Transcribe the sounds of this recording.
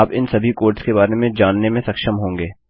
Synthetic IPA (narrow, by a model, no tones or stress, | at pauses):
pɪnsɐbʱikoːɾʈskebaːɾemẽd͡ʒaːnːemẽsɐkʃəmɦõːŋɡeː